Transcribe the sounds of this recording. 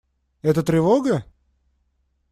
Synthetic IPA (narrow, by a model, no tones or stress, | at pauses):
ɛt̪ət̪ɾʲɪvoɡə